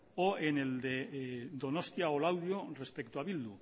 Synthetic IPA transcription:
oeneld̪ed̪o̞nost̪iaolawðjore̞spe̞kt̪uaβild̪u

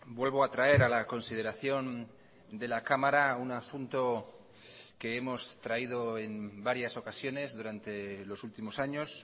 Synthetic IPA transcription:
bwelβo̞at̪ɾae̞ɾalako̞nsið̞e̞ɾaθjo̞n | d̪e̞lakamaɾaunasunt̪o̞ | ke̞emo̞st̪ɾaið̞o̞e̞mbaɾjaso̞kasjo̞ne̞zðuɾant̪e̞lo̞sult̪imo̞saɲo̞s

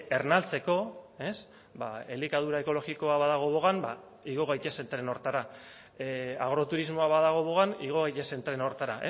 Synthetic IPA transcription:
e̞rnalt͡se̞ko̞e̞s | baelikað̞uɾaeko̞lo̞ɣiko̞aβaðaɣ̞o̞βo̞ɣanba | iɣ̞o̞ɣ̞ajt̪ese̞nt̪ɾeno̞ɾt̪aɾa | aɣ̞ɾo̞t̪uɾizmo̞aβaðaɣ̞o̞βo̞ɣaniɣ̞oɣajtese̞nt̪ɾe̞no̞ɾt̪aɾaʔe

